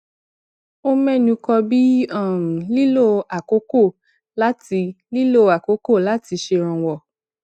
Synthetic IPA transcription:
o˦mɛ˦˨nũ˧kɔ˧bi˦ã˦˨li˦lo˦˨a˨ko˨˦ko˦˨ | la˦ti˧ | li˦lo˦˨a˨ko˨˦ko˦˨la˨˦ti˧ʃe˧ɾ̃ã˧wɔ˨

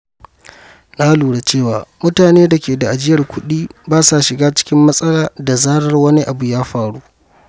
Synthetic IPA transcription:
naː˦luː˨ɽa˨t͡ʃeː˦˨waː˨mʊ˦taː˨neː˦da˨kʲeː˨da˨ʔa˨d͡ʒɪ˦jɐ˨rkʷʰʊ˦ɗiː˦baː˦sa˨ʃɪ˨ɡaː˦t͡ʃɪ̥˦kʲɪ˦mːɐ˦sʼɐ˦laː˨da˨zaː˦ɽɐ˦rwɐ˦ni˦ʔa˨bu˨jaː˦ɸaː˨ɽu˦

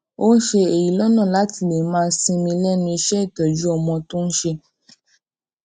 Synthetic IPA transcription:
o˦n̩˦ʃe˧e˨ji˨˦lɔ˦nɔ̃˦˨la˨˦ti˦˨le˨˦mãː˦˧˦sĩ˧mĩ˧lɛ˦nũ˧i˧ʃɛ˦i˦˨tɔ˨d͡ʒu˨˦ɔ˧mɔ̃˧to˦n̩˦ʃe˧

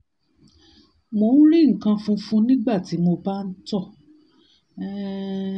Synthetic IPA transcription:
mo˧˨˦nũ˦ɾi˦˨ŋ̩˨kã˧fũ˦fũ˦nĩ˦ɡ͡ba˦˨ti˨˦mo˧ba˦n̩˦tɔ˦˨˦

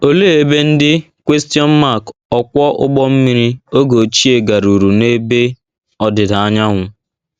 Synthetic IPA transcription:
o˦leː˦e˦be˦n̩˦dɪ˦ | kʷe˦sti˦ɔ˦m̩˦ma˦˨kɔ˨kʷɔ˦ʔʊ˦ɡ͡bɔ˦m̩˦mi˦ɾi˦o˦ɡo˨t͡ʃi˦e˨ɡa˨ɾu˨ɾu˨ne˦be˦ | ɔ˦dɪ˨da˨a˦ɲa˦ɦʷʊ˨

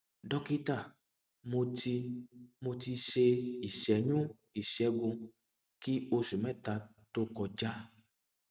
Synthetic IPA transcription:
ɖɔ˧ki˦t̪a˦˨ | mo˧ti˧mo˧ti˧ʃe˧i˨ʃɛ˨ɲũ˦ | i˨ʃɛ˨˦ɡũ˧ | ki˦o˧su˨mɛ̃˦˨t̪a˧t̪o˦kɔ˧d͡ʒa˦

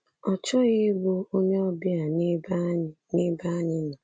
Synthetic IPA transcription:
ɔ˨t͡ʃɔ˦ɣe˦bo˦o˦ɲe˦ɔ˦bi˦a˨n˦bni˦ba˦ɲɪ˦na˨

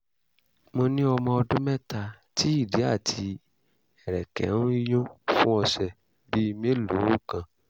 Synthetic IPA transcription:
mo˧nĩ˦ɔ˧mɔ̃˧ɔ˧dũ˦mɛ̃˦ta˧ | ti˨˦i˦˨di˨˦a˦˨tʰi˧ | ɛ˨ɾɛ˨kɛ̰˨˦nũ˦i˦jõ˦fũ˦ɔ˧sɛ˨ | bi˦mẽ˦lu˨˦u˦˨kã˨

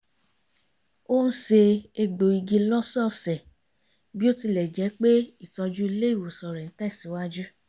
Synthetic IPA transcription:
o˦ñ̩˦ʃe˧e˧ɡ͡bo˨i˧ɡi˧lɔ˦sɔ˦˨sɛ˨ | bi˦o˦ti˧lɛ˨d͡ʒɛ˨˦k͡pe˦i˦˨tɔ̃˧d͡ʒu˦i˦le˦i˦˨wo˨sɔ˨ɾɛ˨n̩˦ta˦i˦˨si˨˦wa˦d͡ʒu˦

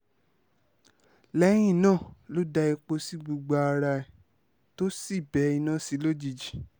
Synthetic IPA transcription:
lɛ˦j̃ĩ˦˨nãː˦˨lo˨˦da˧i˧k͡po˧si˦ɡ͡bu˧ɡ͡ba˧a˧ɾa˧ɛ˨ | to˦si˦˨bɛ˨˦i˧nã˦˨si˨˦lo˦d͡ʒi˧d͡ʒi˨

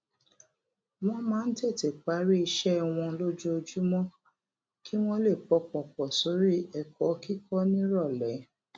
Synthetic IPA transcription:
w̃ɔ̃˦mãː˨˦n̩˦te˦˨te˨k͡pa˨˦ɾi˦i˧ʃɛ˦w̃ɔ̃˧lo˦d͡ʒu˦o˧d͡ʒu˦mɔ̃˦ | ki˦w̃ɔ̃˦le˦˨k͡pɔ˨˧˦k͡pɔ̃˨k͡pɔ˨so˨˦ɾi˦ɛ˨kɔ˨˦ki˦kɔ˦nĩ˦ɾɔ˦˨lɛ˨˦

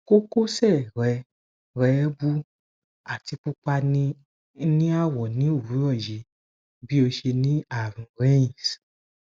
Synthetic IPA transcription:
ko˦ko˦sɛ˦˨ɾɛ˧ | ɾɛ˨˦bu˦ | a˨ti˧k͡pu˧k͡pa˧nĩ˧ | nĩ˦a˦˨wɔ˨nĩ˨˦o˦˨ɾu˨˦ɾɔ˦˨je˨˦ | bi˦o˧ʃe˧nĩ˦a˦˨ɾĩ˨ɾe˦ĩ˨s

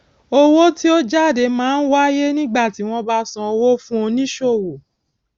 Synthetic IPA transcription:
o˦wo˦ti˦o˦d͡ʒa˦˨de˨˦mãː˦n̩˦wa˦je˦nĩ˦ɡ͡ba˦˨ti˨˦w̃ɔ̃˧ba˦sã˧o˧wo˦fũ˦o˧nĩ˦ʃo˦˨wo˨

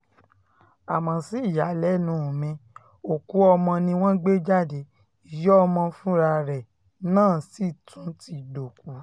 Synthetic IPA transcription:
a˨mã˨si˨˦i˦˨ja˨˦lɛ˨˦nũ˨˦o˨mɛ̃˧ | o˨ku˨˦ɔ˧mɔ̃˧nĩ˧w̃ɔ̃˦ɡ͡be˦d͡ʒa˦˨de˧˦ | i˨jɔ˦ɔ˧mɔ̃˧fũ˦ɾa˧ɾɛ˨ | nãː˦˨si˦˨tũ˨˦ti˧do˨k̚u˨˦

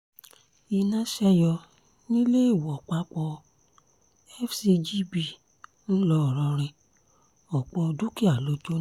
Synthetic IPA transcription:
i˧nã˦ʃɛ˦jɔ˧ | nĩ˦le˦i˦˨wɔ˨k͡pa˦k͡pɔ˧ | ɛ˦fsi˧d͡ʒi˦bi˦˨ | n̩˦lɔ˧˨ɾɔ̃˧ɾ̃ɛ̃˧ | ɔ˨k͡pɔ˧du˦ki˦a˨lo˨d͡ʒo˦

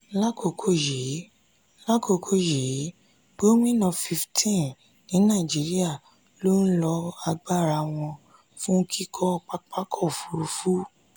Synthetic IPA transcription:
la˦kʰo˧˨kʰo˦˨ji˨˦ | la˦kʰo˧kʰo˦je˨˦ | ɡo˦mĩ˦nɔ̃˧fi˧ftʰĩ˦n | nĩ˨˦nã˦˨d͡ʒi˨˦ɾi˦a˦˨ | lo˦n̩˦lɔ˧a˧ɡ͡ba˦˨ɾa˧w̃ɔ̃˧ | fũ˦kʰi˦kʰɔ˦˧k͡pa˦k͡pa˦kʰɔ˦˨fu˨˦ɾu˧˦fu˦

